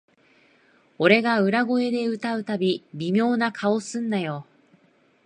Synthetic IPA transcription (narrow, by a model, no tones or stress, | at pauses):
o̞ɾe̞ɡaɯ̟ɾaɡo̞e̞d̪e̞ɯ̟t̪aɯ̟t̪abʲibʲimʲjo̞ːnakʰaosɨ̃nːajo̞